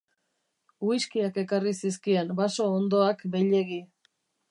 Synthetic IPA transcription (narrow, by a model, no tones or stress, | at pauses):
uiskiake̞karisiskie̞nbaso̞ːnd̪o̞akbe̞jʎe̞ɣi